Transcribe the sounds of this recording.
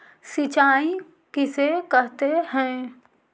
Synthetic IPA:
sit͡ʃaːĩ | kɪsekəɦt̪ehɛ̃ː

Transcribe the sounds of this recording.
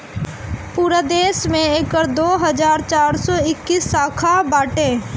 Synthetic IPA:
puːɾad̪eːsmẽekəɾd̪oːɦəzaːɾt͡ʃaːɾsɔːɪkːisːaːkʰabaːʈẽː

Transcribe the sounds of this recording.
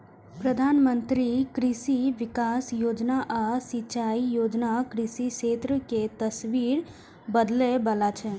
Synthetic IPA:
pɾəd̪ʱaːnmə̃nt̪ɾikɾɪsiʋɪkaːsjoːd͡ʒnaʔasit͡ʃaijoːd͡ʒnakɾɪsiʃeːt̪ɾəket̪əsʋiɾ | bəd̪lebəlat͡ʃʰɛ

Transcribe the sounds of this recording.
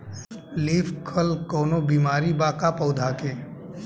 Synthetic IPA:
liːfkʰəlkɔːnobiːmaːɾibaːkapɐʊd̪ʱaːkeː

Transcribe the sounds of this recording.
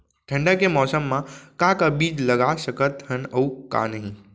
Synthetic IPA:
ʈʰə̃ɳɖəkemɔːsəmːãkakabiːd͡ʒləɡasəkət̪hənəuka̰nəɦĩ

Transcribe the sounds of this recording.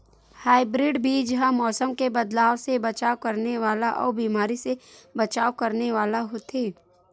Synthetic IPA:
haːɪbɾɪɖbʱid͡ʒɦãmɔːsəmkebɐd̪laːwsebɐt͡ʃaːokɐɾneʋaːlaʔɔ̰ːɾbiːmaːɾisebɐt͡ʃaːwkɐɾneʋaːlaɦoːt̪eː

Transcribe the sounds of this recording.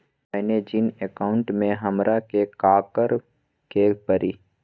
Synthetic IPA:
mɛːned͡ʒɪnekaːʊ̃ɳʈmẽɦɐmɾʔakekaːkəɾ | kepəɾiː

